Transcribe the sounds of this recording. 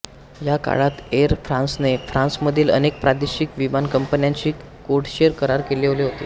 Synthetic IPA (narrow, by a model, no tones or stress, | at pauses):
jaka̰ɭat̪eɾfɾãnsnefɾãnsməd̪ʱiːlə̰nek̚pɾad̪eɕikʋimankəmpənjãɲt͡ɕiː | koʈɕeɾkəɾaɾkeleleɦot̪ḛː